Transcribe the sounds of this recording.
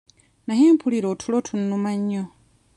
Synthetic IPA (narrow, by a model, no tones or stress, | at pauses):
naɦeːmpʰuliɾotʰulotʰunːumaɲːo